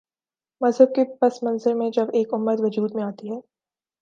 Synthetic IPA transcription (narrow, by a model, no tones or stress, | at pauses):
mɐzɦəb̚kepɐsmɐ̃nzɪɾmẽd͡ʒɐbeːkʊmːət̪ʋɐd͡ʒuːd̪mẽaːt̪iɦɛː